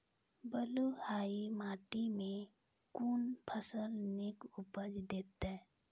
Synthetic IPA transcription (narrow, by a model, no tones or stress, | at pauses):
bəluhaːimaːʈimẽ | kuːnpʰəsəlnɪkʊpəd͡ʒd̪eːt̪e